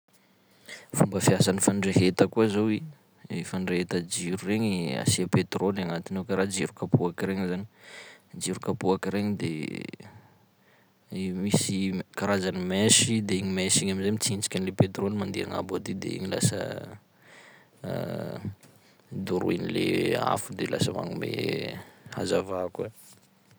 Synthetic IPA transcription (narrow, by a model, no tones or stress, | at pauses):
fumbəfiasanifaɳɖ͡ʐeɦet̪əkuazowi | efaɳɖ͡ʐeɦet̪əd͡ʒiɾureɲa̰siapet̪rolaŋat̪inewkaɾad͡ʒiɾukapuakiɾeŋizanid͡ʒiɾukapuakiɾeɲid̪ḛ | misikaɾazanimeʃid̪eiɲimeʃiɲamizamit͡sint͡si̥kʲanilepet̪ɾolimand̪iaŋa̰bad̪id̪ḛḭŋila̰sə̰ | d̪uɾṵinilḛa̰fud̪ela̰səma̰ŋumḛ | ha̰zavake